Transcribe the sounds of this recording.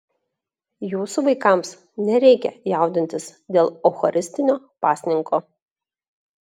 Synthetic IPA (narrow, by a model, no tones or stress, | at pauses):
juːsuʋɐɪkɑˑms | nʲɛɾʲɛɪkʲɛ̰jɛˑʊd̪ʲɪnʲt̪ʲɪsd̪ʲeːlˠɔxɔɾʲʔɪsʲt̪ʲɪnʲoː | pɑːsʲnʲɪŋkoː